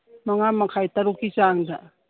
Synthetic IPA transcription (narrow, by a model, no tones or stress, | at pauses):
maŋamakʰajt̪aɾukisaŋda